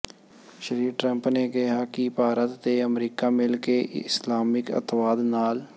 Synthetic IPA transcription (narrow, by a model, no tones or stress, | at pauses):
ʃəɾiːɾʈɾə̃mpnekɪɦakibʱaːɾət̪ːeəmɾiːkamɪlkeɪslaːmɪkə̰t̪waːd̪naːl